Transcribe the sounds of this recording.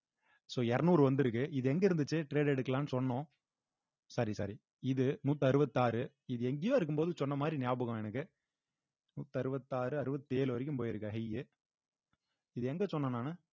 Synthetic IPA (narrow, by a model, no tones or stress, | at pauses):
soːɛɾɐnuːɾɯʋɐnd̪ɯɪɾɯkːɯʔɪðɯɛŋɡɐɪɾɯnd̪ɯt͡ʃːɯʈɾeːɖɛɽɯkːɐlãːnɯsɔnːõː | sɐɾisɐ̰ɾi | ɪðɯnuːt̪ːɯɐɾɯbɐt̪ːɯaːɾɯ | ɪðɯɛŋɡɪjoːɪɾɯkːɯmpoːðɯsɔnːɐmaːd̪ɾinɪjaːbɐɣɐmɛnɐkːɯ | nuːt̪ːɯɐɾɯbɐt̪ːaːɾɯɐɾɯbɐt̪ːɯeːlɯʋɐɾɪk̬ʲːɯmpoːjɪɾɯkːɐɦɐjɯ | ɪðɯɛŋɡɐsɔnːɐnaːnɯ